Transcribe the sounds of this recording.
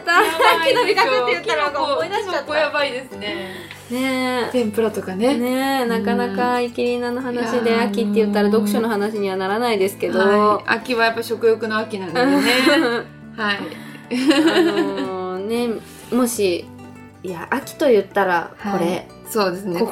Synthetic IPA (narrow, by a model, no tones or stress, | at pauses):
t̪aːiikaɯːejɯt̪ːaɾoɡaomoinaɕat̪jabaid̪e̞sɨne | ne̞t̪ẽmpɯ̟ɾat̪okanene̞nakanakaikʲiɾʲinanoɦanaɕid̪e̞akʲit̪ːe̞jɯ̟t̪ːaɾad̪o̞kɯ̟ɕo̞no̞ɦanaɕiɲ̟iβanaɾanaid̪e̞sɨ̥ke̞d̪o̞a̰kʲiβajapːaiɕo̞kɯ̟jo̞kɯ̟noakʲinãɯ̃e | hai | ne̞ | mo̞ɕi | jaʔakʲi̥t̪o̞jɯ̟t̪ːaɾa̰ko̞ɾe̞ | so̞ːd̪esɨne